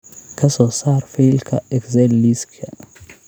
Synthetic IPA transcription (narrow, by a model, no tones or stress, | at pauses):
kʰɐsɔːsaːɾfeːlkʰɐɛkzɛlːiskʰɛ